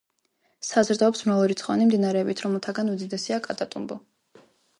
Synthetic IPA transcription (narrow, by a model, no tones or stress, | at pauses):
sazɾd̪aɔpsmɾalˠɔɾit̪sχɔva̰nimd̪inaɾɛːbit̪ʰɾɔmɛlˠt̪ʰaɡanud̪id̪ɛsiakʼat̪ʼat̪ʼumbɔ